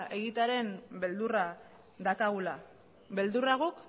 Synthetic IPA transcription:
e̞ɣit̪aɾe̞mbe̞ld̪ura | d̪akaɣula | be̞ld̪uraɣuk

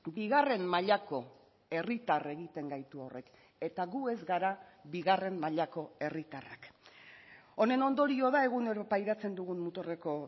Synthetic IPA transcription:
biɣare̞mmaʎako̞ | e̞rit̪are̞ɣit̪e̞ŋɡajt̪uore̞k | e̞t̪aɣue̞zɡaɾaβiɣare̞mmaʎako̞e̞rit̪ara̰k | o̞ne̞no̞nd̪o̞ɾio̞ð̞ae̞ɣune̞ɾopajðat͡se̞nd̪uɣunmut̪ore̞ko̞

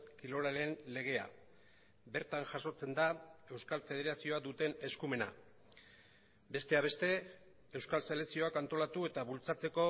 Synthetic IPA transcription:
kilo̞ɾale̞nle̞ɣ̞e̞a̰ | be̞ɾt̪aŋʝaso̞t͡se̞nd̪ae̞wskalfe̞ðe̞ɾasio̞ad̪ut̪e̞ne̞skume̞na̰ | be̞st̪e̞aβ̞e̞st̪e̞ | ewskalselesio̞akant̪o̞lat̪ue̞t̪aβult͡sat͡se̞ko̞

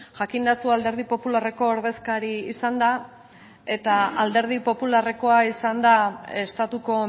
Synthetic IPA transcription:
ʝakind̪asuald̪e̞ɾð̞ipo̞pulare̞ko̞ːɾðe̞skaɾiːsand̪a | e̞t̪aald̪e̞ɾð̞ipo̞pulare̞ko̞aisand̪aest̪at̪uko̞

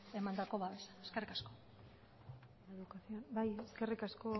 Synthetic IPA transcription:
e̞mand̪ako̞βaβesaeskerikasko̞ | eðukasionbajeske̞rikasko̞

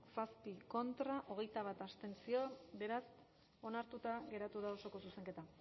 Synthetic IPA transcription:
saspiko̞nt̪ɾaʔo̞ɣ̞e̞jt̪aβ̞at̪ast̪e̞nsio̞be̞ɾas | o̞naɾt̪ut̪aɣe̞ɾat̪uðao̞so̞ko̞suse̞ŋke̞t̪a

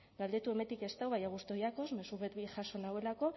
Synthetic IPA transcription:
ɡald̪e̞t̪ueme̞t̪ike̞st̪awβajaɣ̞ust̪o̞jako̞zme̞suβet̪βiʝaʃo̞nawe̞lako̞

